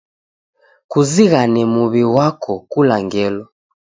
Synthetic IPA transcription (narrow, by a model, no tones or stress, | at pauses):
kuziɣanɛmuβiwakʰɔkulaŋɡɛlɔ